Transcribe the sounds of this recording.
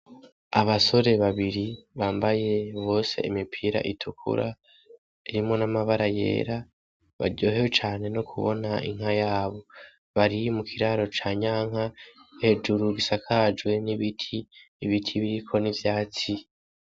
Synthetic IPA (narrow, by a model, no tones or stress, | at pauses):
aβaso̞ɾe̞βaβiɾiβaːmbaje̞βo̞ːse̞̰imipʰiɾa̰ʔitʰukʰṵɾa | iɾimŋo̞namaβaɾaje̞̰ːɾa | βa̰ɾɟo̞ːɦewet͡ʃaːne̞nokʰuβo̞̰naʔḭŋ̥hajaːβo̞ | βaɾimukʰiɾaɾo̞t͡ʃaːɲaːŋ̥hahe̞d͡ʒuɾuɡisakʰad͡ʒɡwe̞niβitʰiː | βitʰiβiɾikʰo̞nivjaːt͡si